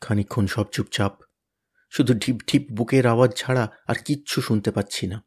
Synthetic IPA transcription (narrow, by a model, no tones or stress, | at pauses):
kʰanikʰːonʃɔbt͡ɕup̚t͡ɕap | ʃud̪ʱuɖʱipɖʰʱip̚bukeɾawad̚t͡ɕʰaɽaaɾkitːɕʰuʃunt̪epatːɕʰina